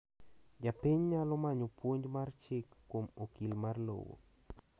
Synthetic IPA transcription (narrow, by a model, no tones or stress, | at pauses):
d͡ʒapɪɲɲalɔmaɲopwoɲd͡ʒmart͡ʃɪkːomokilmarlo̰wo̰